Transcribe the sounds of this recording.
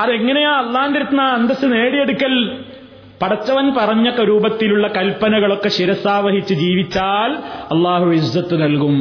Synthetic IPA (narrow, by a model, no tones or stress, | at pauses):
ɐðe̞ŋːɐnejaːɐlːaːnd̪iɾɐt̪naɐnd̪ɐsɨne̞ːɽije̞ɽukʲːɐl | pɐɽɐt͡ɕːɐʋɐnpɐrɐɲːɐkːɐɾuːbɐt̪ːiluɭːɐkɐlpɐnɐɣɐɭo̞kːe̞ɕiɾɐsaːʋɐɦit͡ɕːɨd͡ʑiːʋit͡ɕːaːlɐlːaːɦuizːɐt̪ːunɐlkum